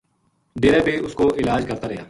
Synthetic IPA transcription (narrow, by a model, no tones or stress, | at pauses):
ɖeːɾaːbeːʔʊskoʔɪlaːd͡ʒkəɾt̪aːɾəɦja̰ː